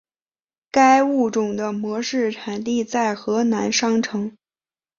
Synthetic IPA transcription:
ka˥ɪu˥˩ʈ͡ʂʊ˨˩ŋd̪ə˦mwɔ˧˥ʂɻ̩˥˩ʈ͡ʂʰa˨˩nt̪i˥˧t͡sa˥˩ɪxɤ˧˥na˧˥nʂɑ˥ŋʈ͡ʂʰɤ˧˥ŋ

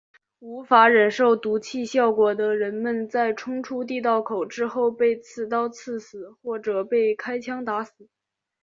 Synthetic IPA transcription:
u˧˥fa˧˥ɻə˨˩nʂo˥˩ʊt̪u˧˥t͡ɕʰi˥˧ɕjɑ˥˩ʊkwɔ˨˩d̪ə˧ɻə˧˥nmə˧nt͡sa˥˩ɪʈ͡ʂʰʊ˥ŋʈ͡ʂʰu˥t̪̬i˥˧t̪ɑ˥˩ʊkʰo˨˩ʊʈ͡ʂɻ̩˥xo˥˧ʊpe˥˧ɪt͡sʰɹ̩˥˩t̪ɑ˥ʊt͡sʰɹ̩˥˩sɹ̩˨˩˦xwɔ˥˩ʈ͡ʂɤ˨˩pe˥˩ɪkʰa˥ɪt͡ɕʰjɑ˥ŋt̪a˧˥sɹ̩˨˩˦

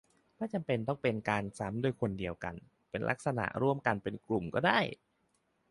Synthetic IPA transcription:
mʰaː˥˩t͡ɕa˧mpe˧nt̪̬ɔ˥˩ŋpe˧nkaː˧nsa˦˥mdo˧jkʰo˧ndi˧əwka̰˧n | pe˧nlʔa̰˦˥k̚sa˧na̰˨˩ʔɾu˥˩əmka˧npe˧nklu˨˩mkɔ̰ː˥˩daː˥˩j

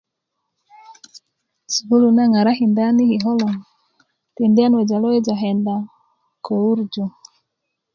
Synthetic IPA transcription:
su˨bu˦lu˨na˦ŋa˨ɾa˦hi˨nda˦ni˦hi˨ɦɔ˦lɔ˨ | ti˨ndi˦a˦nwɛ˨d͡ʒa˨lɔ˦ɛ˦d͡ʒa˨ɦɛ˨nda˨ | kʰɔ˨u˦ɾd͡ʒɔ˨

